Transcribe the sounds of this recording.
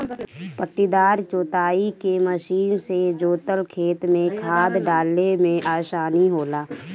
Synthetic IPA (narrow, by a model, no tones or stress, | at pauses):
pəʈːid̪aːɾt͡ʃoːt̪aːikeməʃiːnsed͡ʒoːt̪əlkʰeːt̪mẽkʰaːd̪ɖaːlemẽʔaːʃaːniɦoːlaː